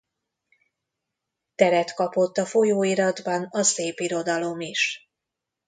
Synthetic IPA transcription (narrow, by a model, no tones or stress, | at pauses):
t̪ɛɾɛt̪kɒpo̞t̪ːɒfo̞joːiɾɒd̪bɒnɒseːpiɾo̞d̪ɒlo̞miʃ